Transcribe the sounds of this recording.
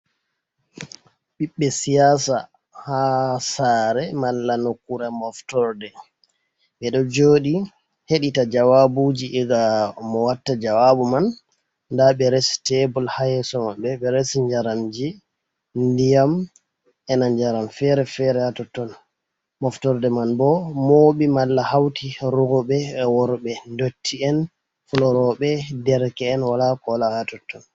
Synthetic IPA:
ɓiɓːɛsijasa | hasaɾɛmalːanokːuɾamɔftɔɾdɛ | ɓɛɗɔd͡ʒoːɗi | heɗitad͡ʒawabud͡ʒiʔɛɡamɔwatːad͡ʒawabumanː | daɓɛɾesi̥tɛbɔlhajɛsɔmaɓɛɓɛɾesiɲd͡ʒaɾamd͡ʒɛ | ndijam | ɛnaɲd͡ʒaɾamfɛɾɛfɛɾɛhatɔtːɔn | mɔftɔɾdɛmanbɔmoɓimalːahawtiɾuɡɔɓɛːwɔɾɓɛndotʰːiɛn | fɔlɔɾɔɓɛdɛɾkɛːnwalakɔlahatɔtːɔn

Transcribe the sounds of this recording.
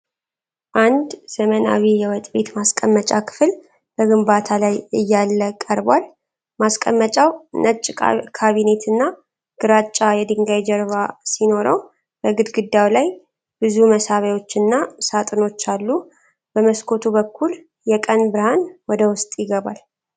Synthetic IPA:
ʔand̪z̥əməna̰wijɛwɔt̪ʼbe̞t̪maskʼəmːət͡ʃʼakʰɨ̥fl | b̥əɡɨmbat̪ʰalajɨjːalːəkʼəɾbwal | maskʼə̰mːət͡ʃʼawnət͡ʃʼːkʰaβine̞t̪ʰɨnːa | ɡ̥ɨɾat͡ʃʼːajɛd̪ɨŋɡajd͡ʒəɾβasino̞ɾə̰w | b̥əɡɨd̪ɡɨd̪ːawlaj | b̥ɨzuməsaβajo̞t͡ʃːɨnːasat̪ʼɨno̞t͡ʃːalːu | b̥əməskʰo̞t̪ʰubəkʰːul | jɛkʼənbɨɾhanwɔd̪əwʊst̪ʼjɪɡəβal

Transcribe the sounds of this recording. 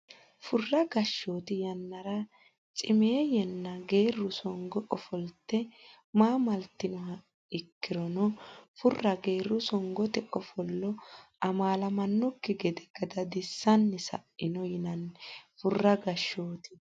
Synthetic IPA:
fʊrːɐɡɐʃːoːt̪ɪjɐnːɐɾɐ | t͡sʼɪmeːjɛnːɐɡe̞ːrːʊsɔŋɡɔʔɔfɔlt̪ːɛ | maːmɐlt̪ːɪnɔhɐ | ɪkːɪɾɔnɔfʊrːɐɡe̞ːrːʊsɔŋɡɔt̪ɛʔɔfɔlːɔ | ɐmaːlɐmɐnːɔkːɪɡɛd̪ɛɡɐd̪ɐd̪ɪsːɐnːɛsɐ̰ʔɪnɔjɪnɐnfʊrːɐɡɐʃːo̞ːt̪ɪ̥

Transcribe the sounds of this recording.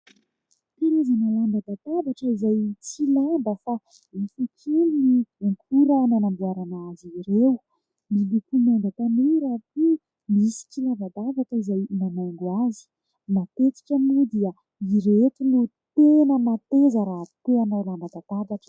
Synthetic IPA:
t̪inizinaand̪ad̪at̪abaʈ͡ʂəizajt͡silambəfa | ifukʰuliniuŋkʰuɾananambuaɾanaziɾew | milukunand̪at̪aneɾatu | misi̥t͡silabad̪avakizajnamaŋɡuazi̥ | mat̪et͡s̪i̥kanud̪iə | iɾet̪inut̪enəmat̪ezəɾaɦt̪eanawlambad̪at̪abaʈ͡ʂə̥

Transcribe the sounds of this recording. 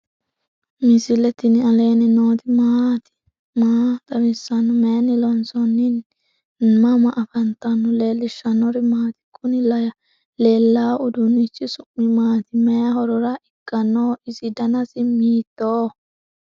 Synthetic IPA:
mɪsɪlɛt̪ːɪnɪɐle̞ːnɪnoːt̪ɪmat̪ɪ̥ | maːt̪ʼɐwɪsːɐnɔmenɪlɔnsɔnːɪn | mɐmɐʔɐfɐnt̪ːɐnːʊleːlːɪʃːɐnɔɾɪmaːt̪ɪ̥kʼːʊnɪlɐj | leːlːaːʊd̪ʊnɪt͡ʃːɪsʊʔːɪmaːt̪ɪmɛjɐɦɔɾɔɾɐʔɪkʼːɐnːoːɪsɪd̪ɐnɐsɪmiːt̪ːoː

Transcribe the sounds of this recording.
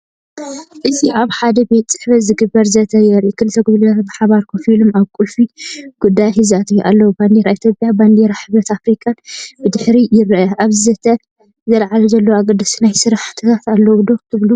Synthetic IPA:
ʔɨt̪ʰiʔaβħad̪ɐbe̞t̪t͡sʼɨ̥ħβɐzɨɡɨbːɐɾzɐt̪ʰɐjɛɾʔikʰɨlɨt̪ʰːɐɡuβliat̪bɨħaβaɾkʰofilumaβkʼulfiɡ̥ud̪ːajħizat̪ʰʼijʔalːɐwuband̪eɾait̪ʰjo̞pʼjaband̪eɾaħɨβɾɐt̪afɾikʼanbɨd̪ɨħɾijɪɾʔɐʔaβzɨzɐt̪ʰɐ | zɐlʕalɐzɐlːɐwaɡɐd̪ːɨsnajsɨɾaħt̪ʰɐt̪ʰat̪alːɐwud̪o̞kt̪ʰɨβlu

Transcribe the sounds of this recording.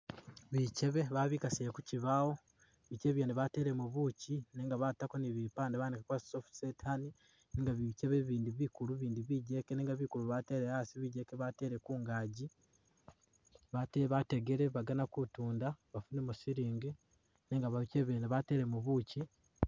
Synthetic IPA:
βice̞βe̞βaβiːkasijekuciβawo̞ | βiceːβjeːneβate̞ɾe̞muβucineːŋɡaβatakoniβipaːndeβandekakwasofsetʰani | neːŋɡaβice̞βeβiːndiβikuluβiːndiβiːɟekeneːŋɡaβikuluβate̞ɾehasiβiɟe̞keβateɾekuːŋɡaɟi | βateβateɡeɾeβaɡanakutuːndaβafunemusiɾiːŋɡe | neŋɡaβaβiceβjeːneβate̞ːɾe̞muβuci

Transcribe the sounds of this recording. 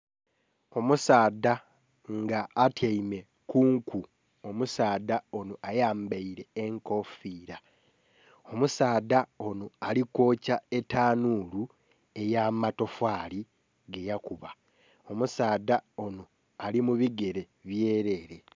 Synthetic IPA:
o̞musaːda | ŋɡaːtʰjaime̞ | kuːŋku | omusaːdao̞noʔajaːmbaiɾe̞ːŋko̞fiːɾa | o̞musaːdao̞noaliko̞ːcae̞taːnuːlu | e̞jamato̞fwaːli | ɡe̞jakuβa | o̞musaːdao̞no | alimuβiɡe̞ɾe̞ | βjeːɾe̞ːɾe̞

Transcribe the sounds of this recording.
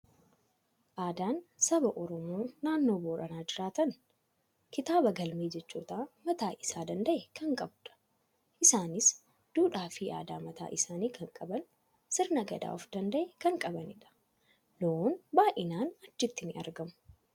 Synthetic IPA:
ʔaːd̪aːnsɐbɐʔɔɾɔmoːnaːnːoːboːɾɐnaːd͡ʒɪɾaːt̪ɐn | kɪt̪aːbɐɡɐlmeːd͡ʒɛt͡ʃːṵːt̪aːmɐt̪aːʔɪsaːd̪ɐnd̪ɐʔɛkɐŋkʼɐbᶑ̪ɐ̥ | ʔɪsaːnɪs | d̪̥uːᶑaːfiːʔa̰ːd̪a̰ːmɐt̪a̰ːʔɪsaːniːkʰɐŋkʼɐbɐn | sɪɾnɐɡɐ̰d̪a̰ːɔfd̪ɐnd̪ɐʔɛkɐŋkʼɐbɐnɪᶑɐ̥ | loːnbaːʔɪnaːnɐt͡ʃːɪt̪ːɪnɪɐ̰ɾɡɐmʊ̥

